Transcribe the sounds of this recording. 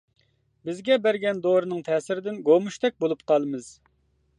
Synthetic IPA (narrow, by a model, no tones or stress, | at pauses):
bɪzɡʲɛbæɾɡʲɛnd̪oɾɨnɨŋt̪ʰɛːsɪɾɪd̪ɪnɡomuʃt̪ʰɛk̚ʲbolˠupqʰɑlˠɨmɨz̥